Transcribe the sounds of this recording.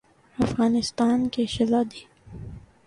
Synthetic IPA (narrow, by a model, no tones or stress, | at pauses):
ɐfɣaːnɪst̪aːnkeʃɐzaːd̪iː